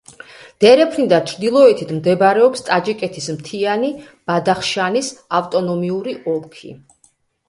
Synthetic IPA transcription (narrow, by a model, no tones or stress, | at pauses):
d̪̥ɛɾɛpʰnid̪at͡ʃʰɾd̪ilˠɔɛt̪ʰit̪ʰmd̪ɛbɾɛɔpst̪ʼad͡ʒikʼɛt̪ʰismt̪ʰiani | b̥ad̪aχʃanisaft̪ʼɔnɔmiuɾiʔɔlkʰḭ